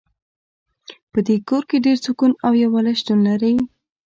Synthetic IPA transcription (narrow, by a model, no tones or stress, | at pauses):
pəd̪ekoɾkeɖeɾt͡sukunawjawɑlaʃd̪unːaɾaj